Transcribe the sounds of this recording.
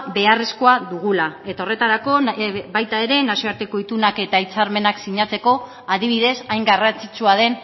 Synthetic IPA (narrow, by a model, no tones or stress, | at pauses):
be̞are̞sko̞aðuɣ̞ulae̞t̪ao̞re̞t̪aɾako̞bajt̪ae̞ɾe̞nasioaɾt̪e̞ko̞it̪unake̞t̪ait͡saɾme̞naksiɲat͡se̞ko̞ | aðiβ̞iðe̞sajŋɡarant͡sit͡suað̞e̞n